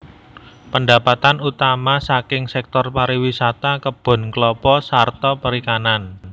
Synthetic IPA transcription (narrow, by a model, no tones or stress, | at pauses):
pəndapat̪anut̪amasakɪŋsɛk̚t̪ɔrpaɾiwisat̪akəb̥ɔ̤nklɔpɔsart̪ɔpəɾikanan